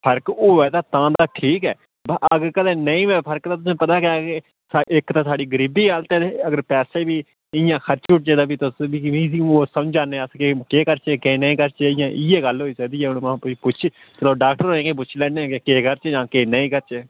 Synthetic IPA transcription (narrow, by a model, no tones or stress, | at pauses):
pʰəɾkoːʋɛːd̪aːt̪ãːd̪aːʈʰiːkɛ̰ː | bəɡəɾkəd̪eːnəĩːʋɛ̃ːpʰəɾkt̪ãːt̪̬ʊsẽːpət̪aːkɪae | saʔɪkt̪ãːsaːɽiːɡəɾiːbiːɦaːlt̪eːeəɡəɾpɛːseːbiː | ɪjãːkʰəɾt͡ʃuʈ̚t͡ʃeːd̪aːbiːt̪ʊsbiːiːsoːsəmd͡ʒaːneəskeːkeːkəɾt͡ʃeːkeːnəĩːkəɾt͡ʃeːɪjãːʔɪɛːɡəlɦoːiːsəkd̪iːɛːʊnmãːpʊipʊt͡ʃʰʃʰ | t͡ʃələɖaːkʈəɾɦoːẽːkep̬ʊt͡ʃʰlɛːnẽːkekeːkəɾt͡ʃeːd͡ʒãːkeːnəĩːkəɾt͡ʃeː